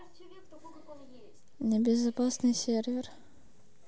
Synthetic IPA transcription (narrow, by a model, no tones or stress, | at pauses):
nʲɪbʲɪzɐpasnɨjsʲervʲɪr